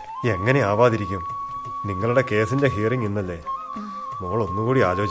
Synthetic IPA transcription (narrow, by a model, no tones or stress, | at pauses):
e̞ŋːɐne̞aːʋaːðiɾikʲːum | niŋːɐɭuɽe̞ke̞ːsinde̞ɦiːriŋinːɐlːe̞ː | muːɭo̞nːukuːɽiaːlo̞ːd͡ʑ